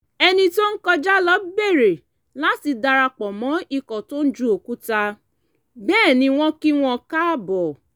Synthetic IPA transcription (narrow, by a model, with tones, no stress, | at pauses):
ɛ˧nĩ˧to˦n̩˦kɔ˧d͡ʒa˦lɔ˦be˦˨ɾe˨ | la˨˦ti˧da˧ɾa˧k͡pɔ˨mɔ̃˨˦i˧kɔ˨to˦n̩˦d͡ʒu˦o˨ku˦ta˧ | bɛː˦˨nĩ˧w̃ɔ̃˦ki˦w̃ɔ̃˦ka˦˨bɔ˨